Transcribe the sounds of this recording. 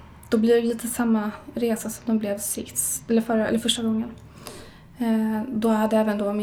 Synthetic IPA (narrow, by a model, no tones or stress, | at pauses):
d̪̥ɔblɪɾviːt̪ʰəsamːaɾeːsasɔmd̪ɛnblɛvsɪsɛlːəɾfœɾɛ̰lːəɾfœʂʈaɡɔŋːən | d̪ɔhad̪ːəɛːvənd̪ɔmɪ